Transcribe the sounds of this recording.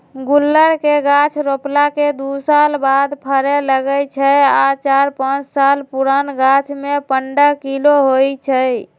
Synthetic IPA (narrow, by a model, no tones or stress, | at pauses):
ɡulːəɽkeɡat͡ʃʰɾoplaked̪usalbad̪pʰəɾɛləɡəjt͡ʃʰəat͡ʃaɾpãt͡ʃsalpuɾanɡat͡ʃʰmepəɳɖəkiloɦojt͡ʃʰəj